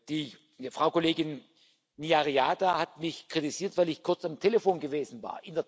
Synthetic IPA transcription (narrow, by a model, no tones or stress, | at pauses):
d̥iː | fʁ̥aʊkoleːɡɪn | niaʁiaːdahatmɪçkʁ̥itiziːɐtv̥aɪlɪçkʰʊɐt͡samtʰeləfoːnɡəveːzn̩va̰ːɐʔɪndeɐ